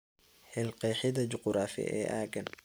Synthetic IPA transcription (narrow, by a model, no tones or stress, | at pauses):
ħɛlqɛːħɪðɐt͡ʃʊqɾaːfɪ̰ʔɛ̰ːʔaːɡɐn